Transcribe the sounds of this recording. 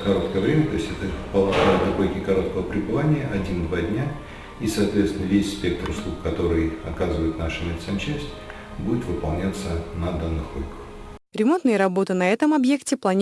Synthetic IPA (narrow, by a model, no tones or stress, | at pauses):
kɐɾo̞t̪kəjəvɾʲemʲət̪o̞ɪsʲtʲɛt̪əpəlˠɐɡat̪ɐkojʲkʲɪkɐɾo̞t̪kəvəpɾʲɪbɨvanʲɪjəʔɐdʲind̪vadʲnʲa | isɐːt̪vʲet̪st̪ʲɪnəvʲesʲspʲek̚t̪ɾʊslˠukkɐt̪o̞ɾɨjɐ̰kazɨvəjɪt̪naʂɨmʲɪlʲɪt̪səmt͡ɕæsʲtʲ | budʲɪt̪vɨpɐlˠnʲat̪sənɐd̪anːɨxolʲɪkəx | ɾʲɪmo̞nt̪nɨjəɾɐbo̞t̪ɨnɐɛt̪əmɐbje̞ktʲɪplˠɐnʲ